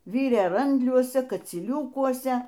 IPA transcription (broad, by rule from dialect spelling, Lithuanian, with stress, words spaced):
ˈʋʲiːrʲeː ˈrɐnʲdʲlʲuɔsʲɛ kɐt͡sʲiːˈlʲuːkuɔsʲɛ